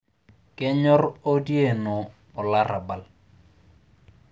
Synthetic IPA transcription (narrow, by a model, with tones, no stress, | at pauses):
kɪ˦ɲɔ˦ro˦dje˦˨nɔː˨ | la˦ɾʔa˨ba˨l